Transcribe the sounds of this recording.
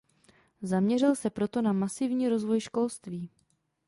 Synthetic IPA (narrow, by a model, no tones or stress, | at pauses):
zamɲɛrɪlsɛpɾo̞t̪o̞namasɪvɲiːɾo̞zvo̞jʃko̞lst̪viː